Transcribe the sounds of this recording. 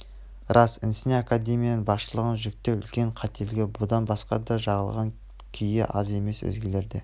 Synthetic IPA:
rʔɑsɪnsɪneakad̪ʲe̞mʲijanənbɑsʃəlˠəʁənʒʏk̚t̪ːewʏ̰lkʲe̞ɴqʰɑt̪e̞lɡʲɪbʊd̪ɑnbɑsqɑ̰d̪ɑʒɑʁəlˠʁɑŋ | kʲʰijɪ̰ʔɑze̞me̞swɵ̰zɡʲe̞le̞ɾd̪ḛ

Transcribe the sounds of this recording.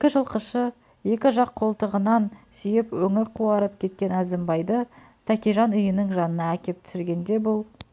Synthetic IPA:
ekʲɪʒəlˠqəʃə | je̞kʲɪʒɑqʰːo̞lˠt̪əʁənɑnsʏjɪpwɵŋɪɾqʰuɑɾəp̚kʲʰe̞t̪̚kʲe̞næzɪmbɑjd̪ə | t̪ʰækʲiʒɑnʊjənəɴʒɑnənɑækʲe̞p̚t̪ʰʏ̥sɪɾɡʲe̞nd̪e̞bʊlˠ

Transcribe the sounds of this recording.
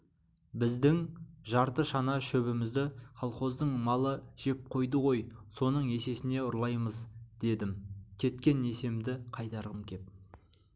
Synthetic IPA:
bɪzd̪ɪŋʒɑɾt̪əʃɑnɑʃɵβɪmɪzd̪ɪχɑlˠχo̞zd̪əɴmɑlˠəʒ̥e̞p̚qʰo̞jd̪əʁo̞jso̞nəɴe̞se̞sɪne̞ʊɾlˠɑjməzd̪̥e̞d̪ɪmkʲʰe̞t̪kʲe̞ne̞se̞md̪ɪqʰɑjt̪ɑɾʁəmkʲʰe̞p̚

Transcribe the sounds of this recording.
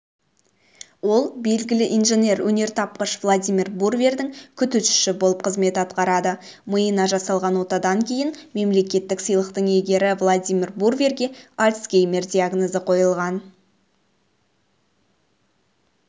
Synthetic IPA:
wo̞lˠbe̞lɡʲɪlɪʔinʒenʲe̞ɾwʔɵne̞ɾt̪ʰɑp̚qəʃvlˠad̪ʲijmʲirburvʲe̞rd̪ɪŋkʲʰʏt̪ʏʃʏ̥ʃɪbo̞lˠəp̚qʰəzme̞t̪ɑt̪qɑɾɑd̪ə | məjənɑʒɑsɑlˠʁɑnwo̞t̪ɑd̪ɑŋkʲʰe̞jɪnme̞mle̞kʲe̞t̪ːɪksəjlˠəqt̪əɴe̞ɡʲe̞ɾɪvlˠad̪ʲijmʲirburvʲerɡʲe̞alʲskʲejmʲerd̪ʲiaɡnozəqʰo̞jəlˠʁɑn

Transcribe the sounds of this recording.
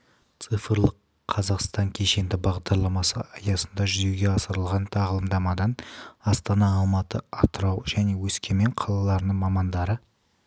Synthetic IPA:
t̪sɨfəɾlˠəqʰː | ɑzɑqst̪ɑŋkʲʰe̞ʃe̞nd̪ɪbɑʁd̪ɑɾlˠɑmɑsə̰ɑjɑsənd̪ɑʒʏze̞ɡʲe̞ɑsəɾəlˠʁɑnt̪ʰɑʁəlˠəmd̪ɑmɑd̪ɑnɑst̪ɑnɑːlˠmɑt̪əɑt̪əɾɑwʒæne̞wɵskʲe̞me̞ɴqʰɑlˠɑlˠɑɾənəɴmɑmɑnd̪ɑɾə

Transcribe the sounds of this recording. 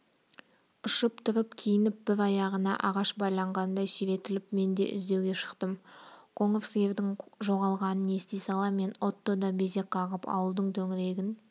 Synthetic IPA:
ʊʃəpt̪ʰʊɾəpkʲʰijɪnɪp̚b̥ɪɾɑjɑʁənɑ̰ʔɑʁɑʃbɑjlˠɑɴʁɑnd̪ɑjsiɾe̞t̪ɪlɪpme̞nd̪e̞̰ʔɪ̰zd̪e̞wɡʲe̞ʃə̥qt̪əmqʰo̞ɴofskʲe̞vd̪ɪŋʒo̞ʁɑlˠʁɑnəne̞st̪ejsɑlˠɑme̞no̞t̪ːod̪ɑbe̞ze̞kʰɑʁəpɑ̰wəlˠd̪əɴt̪ʰɵŋɪɾe̞ɡʲɪn

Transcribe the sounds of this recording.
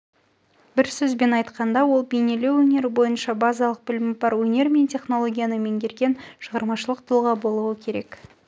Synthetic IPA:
b̥ɪɾsɵzbe̞nɑjt̪qɑnd̪ɑwo̞lˠbejne̞le̞wɵne̞ɾɪbo̞jənʃɑbɑzɑlˠəq̚bɪlɪmɪbɑɾwɵne̞ɾme̞nt̪ʲʰe̞χno̞lˠo̞ɡʲijanəme̞ŋɡʲe̞ɾɡʲe̞nʃəʁɑɾmɑʃəlˠəq̚t̪ʰʊlˠʁɑbo̞lˠuəkʲʰe̞ɾe̞̰k

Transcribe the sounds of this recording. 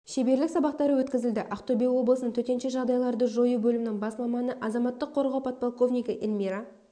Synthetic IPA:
ʃe̞be̞ɾlɪksɑbɑqt̪ɑɾəwɵt̪kʲɪzɪld̪ɪʔɑqt̪obejwo̞bləsənəɴt̪ʰɵt̪e̞nʃeʒɑʁd̪ɑjlˠɑɾd̪əʒo̞jubɵlɪmɪnɪŋbɑsmɑmɑnəʔɑzɑmɑt̪ːəqʰːo̞ɾʁɑwpʰɑt̪̚polˠko̞vnijkʲɪʔilmʲiɾa

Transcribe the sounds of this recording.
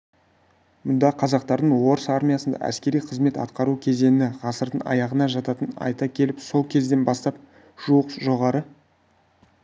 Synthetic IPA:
mʊnd̪ɑqʰɑzɑqt̪ɑɾd̪əɴwo̞ɾəsɑɾmʲijasənd̪ɑ̰ʔæ̰skʲe̞ɾijqʰəzme̞t̪ɑ̰t̪qɑɾukʲʰe̞ze̞nɪnɪʁɑsəɾd̪əɴɑ̰jɑʁənɑʒɑt̪ɑt̪ənɑ̰jt̪ɑkʲʰe̞lɪpso̞lˠkʲʰe̞zd̪e̞nbɑst̪ɑp | ʒ̥uəqʒo̞ʁɑɾə

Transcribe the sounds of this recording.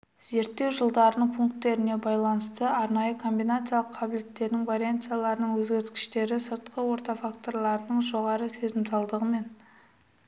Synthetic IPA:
z̥e̞ɾt̪ːe̞wʒəlˠd̪ɑɾnəɴpʰuŋk̚t̪ːe̞ɾɪne̞bɑjlˠɑnəst̪əɑɾnɑjəkʰo̞mbijnat̪sɨjalˠəqʰːɑbɪlet̪ːe̞ɾd̪ɪŋvaɾijant̪sɨjalˠɑɾənəɴwɵzɡʲe̞ɾt̪kʲɪ̥ʃt̪e̞ɾɪsəɾt̪̚qʰəwo̞ɾt̪ɑfakt̪o̞ɾlˠɑɾənəɴʒo̞ʁɑɾəse̞zɪmsɑlˠd̪əʁəme̞n

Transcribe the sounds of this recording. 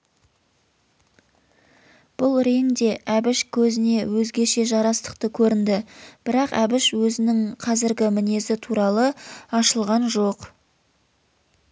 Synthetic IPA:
b̥ʊlˠɾeŋd̪e̞ʔæbɪʃkʲʰɵzɪne̞wɵzɡʲe̞ʃe̞ʒɑɾɑst̪ə̥q̚t̪əkʲʰɵɾɪnd̪ɪb̥ɪɾɑqæbɪʃwɵzɪnɪŋqʰɑzɪɾɡʲɪmɪne̞sɪt̪ʰuɾɑlˠəɑʃəlˠʁɑnʒo̞q

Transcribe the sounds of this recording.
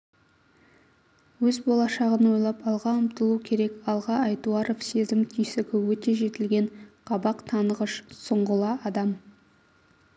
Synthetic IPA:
wɵzbo̞lˠɑʃɑʁənwo̞jlˠɑpɑlˠʁɑəmt̪əlˠukʲʰe̞ɾe̞kɑlˠʁɑɑjt̪uɑɾofse̞zɪmt̪ʰijsɪkʲɪwɵt̪e̞ʒe̞t̪ɪlɡʲe̞ɴqʰɑbɑqt̪ʰɑnəʁəʃsəɴʁəlˠɑɑd̪ɑm

